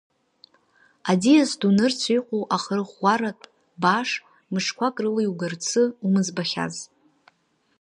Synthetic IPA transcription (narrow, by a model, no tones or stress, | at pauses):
adiasdunɨrt͡sʷʰijqʷʼowʔaχrɨχʷːaɾatʼ | baʂ | mɨʂkʷʰakʼrɨlajwɡɨrt͡sʰɨumɨzbaχʲa̰z